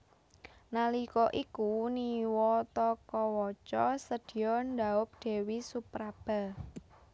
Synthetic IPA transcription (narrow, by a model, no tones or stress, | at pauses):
nalikɔʔikuniwɔt̪ɔkɔwɔt͡ʃɔsəd̪̥i̤jɔnd̪aʊp̚ɖ̪̥e̤wisupɾab̥a̤